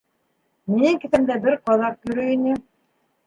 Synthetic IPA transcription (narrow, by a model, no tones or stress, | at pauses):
nikɘ̆θæmd̪æbɘɾqɑðɑq̚jɵ̆ɾɵinɘ